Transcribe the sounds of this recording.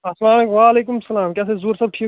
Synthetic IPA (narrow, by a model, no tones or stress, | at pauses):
ɐslaːmeːkʋaːɐleːkʊmsɐlaːmkɛːs̬ezuɾsɐb̚ʈʰiː